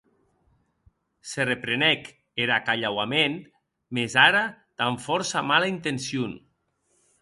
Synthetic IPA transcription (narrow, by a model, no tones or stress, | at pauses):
serepɾenɛk | eɾakaʎawamen | mezaɾat̪aɱfɔɾsamalaint̪ensjun